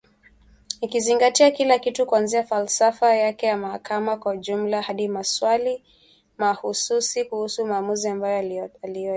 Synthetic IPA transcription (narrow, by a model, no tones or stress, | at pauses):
nikiziŋɡatiakilakitukuanziafalsafajakɛjamahakamakwauʄum̩lahaɗimaswali | mahususikuhusumaːmuziambajɔalijɔ